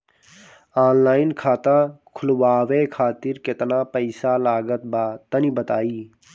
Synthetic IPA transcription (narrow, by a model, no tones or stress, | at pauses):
aːnlaːɪnkʰaːt̪ãːkʰʊlʋaːʋeːkʰaːt̪ɪɾkɪt̪naːpəɪsaːlaːɡət̪̚baːt̪əniːbət̪aːiː